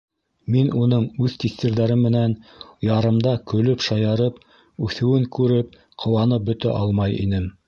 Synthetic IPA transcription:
minunɤɴʉðt̪ist̪iɾðæɾɘmːɘ̆nænjɑɾɤ̆md̪ɑkɵ̆lɵpʃɑjɑɾɤp | ʉθɘ̆wɘŋkʉɾɘp̚ | qʰŏwɑnɤp̚bɵ̆t̪æ̰ʔɑlˠmɑjḭnɘm

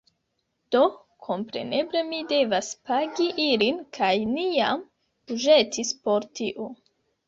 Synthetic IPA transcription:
d̥o̞ | kʰo̞mpɾe̞̰ne̞ble̞mide̞vaspaɡiʔilinkʰajniam | uʒe̞tʰispo̞ɾtʰiʔo

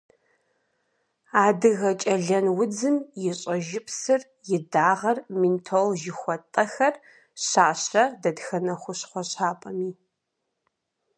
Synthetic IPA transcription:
aːdɨɣɐt͡ʃʼɐɮɐnwʊd͡zɨnjɪɕʼɐʒɪpʰsɨr | jɪdaːʁɐrmintʰolʒɪxʷɔtʼːɐxɐr | ɕaːɕɐdɐdxɐnɐχʷʊɕχʷɔɕaːpʼɐmiː

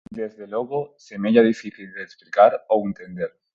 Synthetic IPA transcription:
d̪ezðe̞lwo̞ɣose̞meʝaðifiθild̪eːsplikaɾoent̪e̞nd̪e̞ɾ

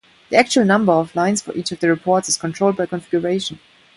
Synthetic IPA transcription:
ðiæk̚t͡ʃuəlˠnʌ̃mbə˞ɔvlãɪ̃nsfə̰˞ʔiːt͡ʃɔvðəɹipʰɔɹtsɨz̥kʰɔ̃ntʰɹ̥oʊld̚baɪkʰɔ̃nfɪɡjəɹeɪʃə̃n

